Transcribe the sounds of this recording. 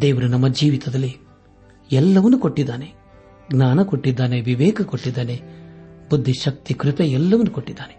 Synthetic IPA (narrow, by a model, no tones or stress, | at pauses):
d̪ɛːʋuɾɐnɐmːɐd͡ʒiːʋit̪ɐd̪ɐlːi | ɛlːɐʋɐnukoʈːid̪ːaːne | ɡnaːnɐkoʈːid̪ːaːneʋiʋɛːkɐkoʈːid̪ːaːnebud̪ʱːiʃɐk̚t̪ikɾɪt̪ɐɛlːɐʋɐnukoʈːid̪ːaːne